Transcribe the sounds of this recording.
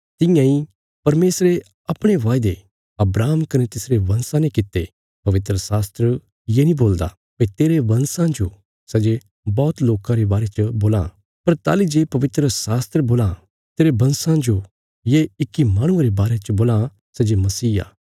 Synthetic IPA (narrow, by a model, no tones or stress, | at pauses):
t̪ɪ̃jãi | pɐɾmeːsɾe | ɐpɽ̃eʋaːɪd̪e | ɐbɾaːmkɐnet̪ɪsɾeʋɐ̃nsãnɛ̃kɪt̪ːe | pɐʋɪt̪ɾəsaːst̪ɾə | jenĩboːld̪a̰ | pet̪eːɾeʋɐ̃nsãd͡ʒo | sɛd͡ʒe | bɔːt̪loːkãɾebaːɾet͡ʃəboːlã̰ | pɐɾt̪a̰ːlid͡ʒeːpɐʋɪt̪ɾəsaːst̪ɾəboːla | t̪eːɾebɐ̃nsãd͡ʒo | jeɪkːimaːɽ̃ʊ̃ãɾebaːɾet͡ʃɐboːlã | sɛd͡ʒemɐsiːa̰ː